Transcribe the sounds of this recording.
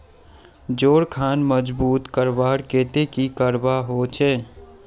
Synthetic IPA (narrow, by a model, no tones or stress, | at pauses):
d͡ʒoːɽkʰaːnməd͡ʒbuːt̪kəɾbaːɽkeːt̪ekikəɾbaɦoːt͡ʃʰɛː